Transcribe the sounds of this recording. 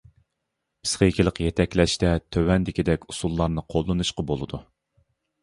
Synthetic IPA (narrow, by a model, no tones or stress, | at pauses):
b̥ɪ̥sqʲɛikʲɪlˠəqjɛt̪ʰɛkʲlɛʃt̪ɛt̪ʰøwɛnd̪ɪkʲid̪ɛkʲusulˠːɑɾnɨqʰolˠːɨnuʃqɑbolˠɨd̪u